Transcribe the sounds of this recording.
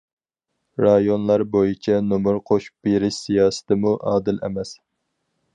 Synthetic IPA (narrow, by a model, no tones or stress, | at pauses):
ɾɑjonlˠɑɾbojit͡ʃʰɛnomuɾqʰoʃu̥p̚b̥eɾɪʃsijɑːsɨ̥t̪ʰɪmuʔɑːd̪ɪlɛ̰mɛs